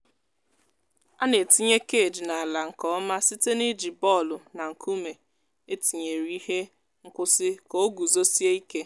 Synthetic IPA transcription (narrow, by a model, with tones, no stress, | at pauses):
a˦ne˨ti˦ɲe˦ke˦˨d͡ʒi˨na˨la˨ŋ̩˨kɔ˦ma˦si˦te˦ni˦d͡ʒi˨bɔ˦˨lʊ˨na˨ŋ̩˨kʰu˦me˨ | e˦ti˨ɲe˨ɾi˦i˦he˦ | ŋ̩˦kʷʊ˦sɪ˦ko˦ɡu˨zo˦si˦e˦i˦ke˦